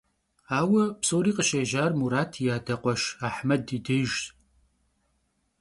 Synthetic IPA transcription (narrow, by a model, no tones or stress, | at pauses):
aːwɐpsoːɾiːqəʃɐʒaːrmuɾaːtʰjaːdɐqʷʼɔʃaːħmɐdidɨʒ